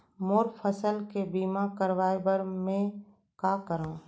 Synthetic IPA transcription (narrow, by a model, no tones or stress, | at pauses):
moɾpʰəsəlkebiːmakəɾʋaːjbəɾmẽ | kaːkəɾãː